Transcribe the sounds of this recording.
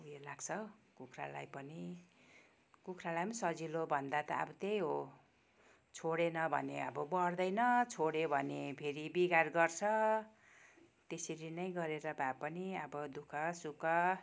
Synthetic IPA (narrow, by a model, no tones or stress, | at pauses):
ujelaɡt͡sʰʌkukʰra̰la̰jpʌni | kukʰralajpmnsʌd͡zilobʱʌnd̪at̪ʌʌ̰bʌt̪ejɦo | t͡sʰoɽenʌbʱʌ̰neʌ̰bʌbʌrd̪ʌjnʌt͡sʰoɽebʱʌnepʰeɾibiɡarɡʌrt͡sʰʌ | t̪eseɾinʌjɡʌɾeɾʌbʱapʌniʌbʌd̪ukʰʌsukʌ